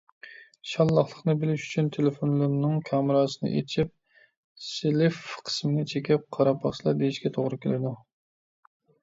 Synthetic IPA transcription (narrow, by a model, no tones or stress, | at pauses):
ʃɑlˠːɑχlˠəχnɨbɪlɪʃy̥t͡ʃʰynt̪ʰelefonlˠɨɾnɨŋkʲʰɑːmɪɾɑːsɨnɨ̰ʔḛt͡ʃʰip̚ | selɪfqʰə̥smɪɡʲɛt͡ʃʰekʲɛp̚qʰɑɾɑpʰɑχt͡ʃlˠɑd̪eiʃkʲɛt̪ʰoʁɾɨkʲʰelɪd̪u